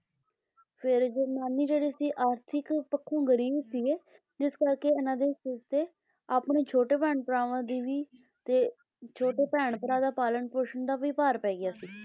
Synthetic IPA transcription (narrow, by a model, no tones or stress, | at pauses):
pʰɪɾd͡ʒoːnaːniːd͡ʒeːɽiːsiːʔaːɾt̪ʰɪkpəkʰːõːɡəɾiːbsiːeː | d͡ʒɪskəɾkeːɪnãːd̪eːsɪɾt̪eː | aːpɳeːt͡ʃʰoːʈeːpɛ̃ːɳpəɾaːʋãːd̪iːʋiː | t̪eː | t͡ʃʰoːʈeːpɛːɳpəɾaːd̪aːpaːləɳʈpoːʃənd̪aːʋiːpaːɾpɛːɡɪjaːsiː